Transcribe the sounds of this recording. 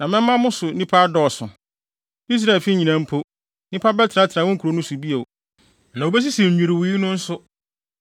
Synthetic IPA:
nã˨mɪ̃˦m̩˦mã˦mʊ̃˦sʊ˨˦nĩ˦pʰa˦dɔ˨sʊ̰̃˨ | i˦s̬ɾa˦˨e˨fi˦ɲĩ˨nã˦m̩˦pʰo˦ | nɪ̃˦pʰa˦bɛ˦tʰɪ˨ɾa˦tʰɪ˨ã˨wɔ̃˦ŋ̩˦kʰu˨ɾo˨˦nʊ̃˦su˨bi˦e˨w | nã˨o˨bɛ˦s̬i˦si˨m̩ᶣ˨ĩ˨ɾɪ˨wiː˨˦nʊ̃˦n̩˦sʊ˦

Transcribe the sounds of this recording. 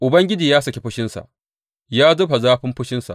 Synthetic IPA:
ʔʊ˨bɐ˦ŋɡʲɪ˦d͡ʒiː˨jaː˦sɐ˦kʲe˨ɸʊ˦ʃɪ˦nsa̰˨ʔ | jaː˦zʊ˦ɸa˨zaː˦ɸɪ˦mɸʊ˦ʃɪ˦nsa̰˨ʔ

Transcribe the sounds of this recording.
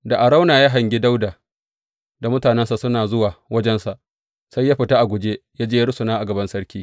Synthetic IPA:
da˨ʔa˨ɽa˦wnaː˨jaː˦ɦɐ˨ŋɡʲɪ˦da˦wdaː˨ | da˨mʊ˦taː˨nɛ˦nsa˨sʊ˦naː˨zʊ˦waː˨wɐ˦d͡ʒɛ˦nsa˨ʔ | sa˦jːaː˦ɸɪ˨ta˦ʔa˨ɡʷʊ˨d͡ʒeː˦jaː˦d͡ʒeː˦jɽʊ˦sʊ˨naː˦ʔa˨ɡɐ˨bɐ˦nsɐ˦ɽkʲiː˦

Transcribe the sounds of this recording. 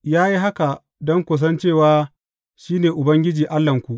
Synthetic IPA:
jaː˦ji˦ɦa˦ka˨ | dɔ˦ŋkʷo˨s̬ɐ˦nt͡ʃeː˦˨waː˦ | ʃiː˦neː˨ʔʊ˨bɐ˦ŋɡʲɪ˦d͡ʒiː˨ʔa˦lːɐ˨ŋkʷu˨ʔ

